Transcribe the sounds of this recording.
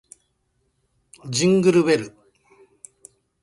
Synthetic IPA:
d͡ʑĩŋɡɯɾɯβeɾɯ

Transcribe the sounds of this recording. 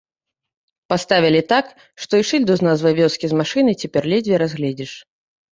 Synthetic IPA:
past̪avʲilʲit̪ak | ʂt̪ɔiʂɨlʲd̪uznazvɐjvʲɔskʲizmaʂɨnɨt͡sʲɛpʲɛrlʲɛd͡zʲvʲiɾazɣlʲɛd͡zʲiʂ

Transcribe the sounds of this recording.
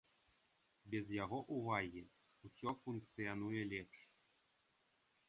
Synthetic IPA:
bʲezjaɣoʔuvɑɣʲi | usʲɔfunk̚t͡sɨanujelʲepʂ

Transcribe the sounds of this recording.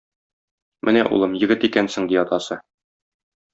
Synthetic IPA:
mʔɘnæʔṵlˠɤmjɘ̆ɡɘt̪ikænsɘ̆ŋd̪iɒt̪ɑsɤ

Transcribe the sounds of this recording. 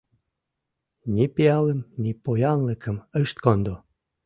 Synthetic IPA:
nʲipiɑləmnʲipojɑnlə̆kə̆məʃt̪̚kond̪o

